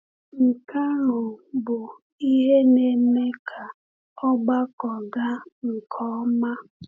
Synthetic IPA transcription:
ŋ̩˨ka˦ɾʊ˨bʊ˨ | i˦ɦe˦ne˨me˦kʰa˨ | ɔ˦ɡ͡ba˦kɔ˨ɡa˦ŋ̩˨kʰɔ˦ma˦

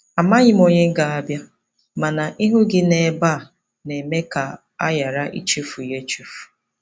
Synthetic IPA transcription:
a˨ma˦ɣɪ˨m˦o˨ɲe˦ŋ̩˦ɡa˨a˦bja˦ | ma˨na˨ʔi˦ɦu˦ɡɪ˦ne˨ba˦˨ | ne˨me˦ka˨ | a̰˦ja˨ɾa˦ʔḭ˦t͡ʃe˦fu˨je˦t͡ʃu˦fu̥˨

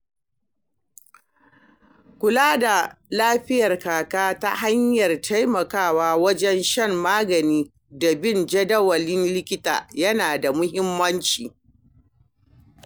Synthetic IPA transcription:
kʷʊ˨laː˦da˨laː˦ɸɪ˦jɐ˨rkaː˨kaː˦ta˦ha˦ɲjɐ˨rtʰa˦jmɐ˨kaː˦˨waː˦wɐ˦d͡ʒɛ˦nʃɐ˦mːaː˦ɡɐ˨niː˦ | da˨bɪ˦˨nd͡ʒɐ˦dɐ˦wɐ˨lɪ˦nlɪ˦kʲɪ˦ta̰ː˨jɐ˦naː˨da˨mʊ˦ɦɪ˦mːɐ˦nt͡ʃiː˨

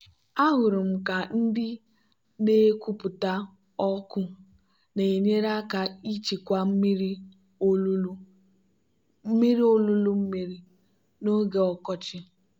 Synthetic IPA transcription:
a˦ɦʊ˨ɾʊ˨m̩˨ka˨n̩˦dɪ˦ | ne˦kʷu˦pʊ˨ta˦ | ɔ˦kʊ˦ | ne˨ɲe˦ɾa˦ka˦i˦t͡ʃi˨kʷa˦m̩˦mi˦ɾi˦ | mi˦ɾi˦o˦lu˦lu˦m̩˦mi˦ɾi˦ | no˦ɡe˦ɔ˦kɔ˦t͡ʃɪ˦

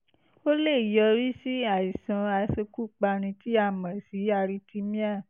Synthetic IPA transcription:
o˦le˦˨i˨jɔ˧ɾi˦si˦a˨i˨sã˨˧a˧se˧ku˦k͡pa˧ɾ̃ĩ˧ti˦a˦˨mã˨si˨˦a˧ɾi˧ti˦mĩ˦a˦˨

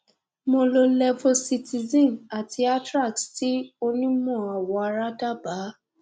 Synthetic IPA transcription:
mo˧lo˧lɛ˦vo˦˧si˧ti˧zĩ˦˨na˨tʰi˧a˦tɾa˦˨ksti˦o˧nĩ˦mɔ̃˦˨a˨wɔ˧a˧ɾa˦da˦ba˨˦

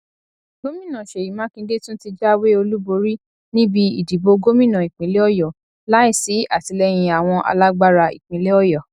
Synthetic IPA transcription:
ɡ̥o˦mĩ˦˨nã˨ʃe˨ji˨˦mã˨˦kĩ˧de˦tũ˦ti˧d͡ʒa˦we˦o˧lu˦bo˧ɾi˦ | nĩ˦bi˧ḭ˨di˨bo˧ɡo˦mĩ˦˨nã˨i˨k͡pĩ˨˦le˦ɔ˦jɔ˨ | la˨˦i˦˨si˨˦a˦˨ti˨˧˦lɛ˧˦j̃ĩ˧a˨w̃ɔ̃˧ʔa̰˧la˦ɡ͡ba˦ɾa˧ḭ˨k͡pĩ˨˦le˦ɔ˦jɔ˨

